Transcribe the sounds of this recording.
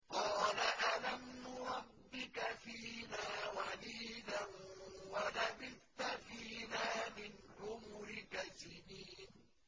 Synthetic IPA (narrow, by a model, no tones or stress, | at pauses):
qɑːlaʔalamːʊɾˤɑbːɪkafiːnaːwaliːdanwalabɪlt̪afiːnaːmɪnɾʊmʊɾɪkasɪniːn